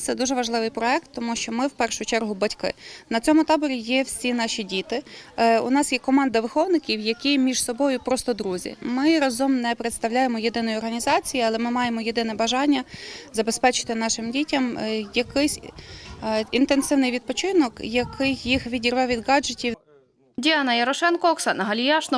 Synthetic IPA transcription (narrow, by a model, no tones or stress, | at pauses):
t̪sɛd̪uʒɛʋɐʒlˠɪʋɪjpɾɔɛk̚t̪ːɔmuʃt͡ʃɔmɪwpɛrʃʊt͡ʃɛrɦʊbɐtʲkɪ̰nɐt͡sʲɔmʊt̪ɑbɔɾʲijɛwsʲinɑʃʲidʲit̪ɪʊ̰nɑsjɛkɔmɑnd̪ɐʋɪxɔwnɪkʲiwjɐkɪjmʲiʒ̥sɔbɔjʊpɾɔst̪ɔd̪ɾuzʲḭmɪɾɐzɔmnɛpɾet̪st̪ɐwlʲajemɔjed̪ɪnɔjʊɔrɦɐnʲizɑt͡sʲijiɐlˠɛmɪmɑjemɔjed̪ɪnɛbɐʒɑnʲːɐzɐbe̞spɛt͡ʃɪ̥t̪ɪnɑʃɪmdʲitʲɐmjɐkɪsʲ | int̪ensɪwnɪjʋʲid̪̚pɔt͡ʃɪnɔkjɐkʰɪjːixʋʲidʲirʋɛʋʲid̪ɡɑd͡ʒetʲiw | dʲiɑnɐjɐɾɔʃɛnkɔɔksɑnɐɦɐlʲijɑʃnɔ